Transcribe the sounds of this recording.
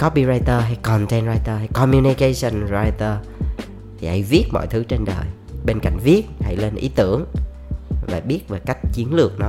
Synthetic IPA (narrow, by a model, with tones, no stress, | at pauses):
kɔ˨˦ɓi˧˩zaː˧jt̪əː˧ɦa˧jkɔ˨˩ntɛ˧nɹaː˧jt̪əː˧ɦa˧jkɔ˧mju˧ni˧ke˧sə˧nzaː˧jt̪əː˧ | t̪ʰi˨˩ʔa̰˧jvi˦˥ət̚mɔ̰˧˨jt̪ʰɨ˨˦t͡ɕe˧nɗə̰ː˨˩j | ɓe˧nka̰˧˨jŋ̟vi˦˥ət̚ha̰˧˥jle˧nʔḭ˨˦t̪ɨ˧˩əŋ | vaː˨˩ɓi˦˥ət̚vaː˨˩ka˦˥jk̟̚t͡ɕi˨˦ənlɨ˨˩ək̚nɔ˨˦